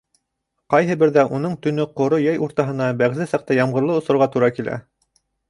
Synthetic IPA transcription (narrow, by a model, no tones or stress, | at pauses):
qɑjɦɤ̆bɘ̆ɾðæʔunɤɴt̪ɵ̆nɵqŏɾojæjʔuɾt̪ɑɦɤ̆nɑbæʁzɘsɑq̚t̪ɑjɑmʁɤ̆ɾlˠɤŏsɤ̆ɾʁɑt̪uɾɑkilʔæ̰